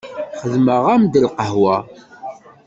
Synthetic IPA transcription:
χəðməʁæmd̪əlqəɦwæ

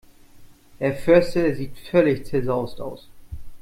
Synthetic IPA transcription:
d̥eːɐfʏɐstəziːtfœlɪçt͡sɛzaʊsta̰ʊs

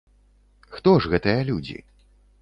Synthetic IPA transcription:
xt̪ɔʐɣɛt̪ɨjɐlʲud͡zʲḭ

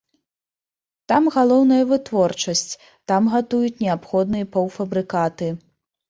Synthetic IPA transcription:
t̪amɣalˠɔwnɐjɐvɨt̪vɔrt͡ʂɐsʲt͡sʲ | t̪amɣat̪ujut͡sʲnʲɛapxɔd̪nɨjɐpɔwfɐbɾɨkat̪ɨ

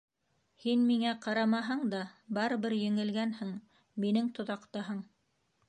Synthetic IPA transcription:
hinmiŋæqɑɾɑmɑɦɤɴd̪ɑbɑɾɤ̆βɘɾjɘ̆ŋɘ̆lɡænhɘɴ | minɘŋt̪ŏðɑqt̪ɑɦɤɴ

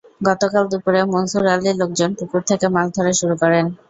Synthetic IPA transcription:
ɡɔt̪okald̪upuɾemonsuɾalilok̚d͡ʑonpukuɾt̪ʰekemald̪ʱoɾeʃuɾukɔɾen

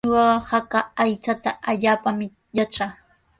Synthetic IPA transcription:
wawhakaajt͡sat̪aʔaʎaːpamɪ | jat͡ʃɑχ

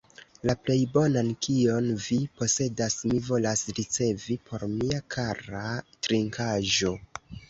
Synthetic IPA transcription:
laple̞jbo̞nankio̞nvipo̞se̞dasmivo̞lasɾit͡se̞vipʰo̞ɾmiakʰaɾatɾiŋkʰaʒo̞

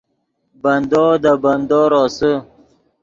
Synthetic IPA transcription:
band̪od̪əband̪oɾosə

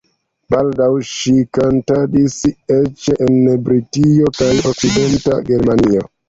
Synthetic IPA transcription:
baldawʃikantadiset͡ʃeʔenbɾitiokajo̞k̚side̞nta̰ɡe̞ɾmanio

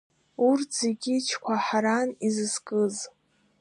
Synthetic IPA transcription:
urtʰz̥eɡʲit͡ʃʰkʷʰaħaɾanizɨskʼɨz

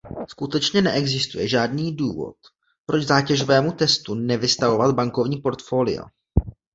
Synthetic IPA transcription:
skut̪ɛt͡ʃɲɛnɛʔɛɡzɪst̪ujɛʒaːdniːduːvo̞̰t̪̚ | pɾo̞d͡ʒzaːcɛʒovɛːmut̪ɛst̪unɛvɪst̪avo̞vat̪̚baŋko̞vɲiːpo̞ɾt̪fo̞ːlɪ̰o̰

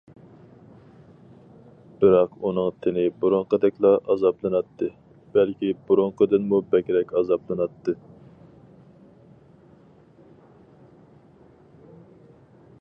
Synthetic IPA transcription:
b̥ɪɾɑqunɨŋt̪ʰɪnɪbuɾoŋqəd̪ɛkʲlˠɑʔɑzɑblˠɨnɑt̪ʰːɨ | b̥ælkʲibuɾoɴqəd̪ɨnmubɛkʲɾɛkʲɑzɑplˠɨnɑt̪ʰːɨ

